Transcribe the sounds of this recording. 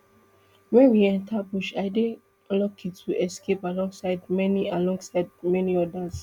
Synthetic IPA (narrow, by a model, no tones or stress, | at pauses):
wɛ̃nwiɛ̃ntʰabuʃaɪde | lɔkʰĩtʰuʔɛskepalɔ̃ŋɡsaɪdmɛnialɔ̃ŋɡsaɪdmɛniɔdas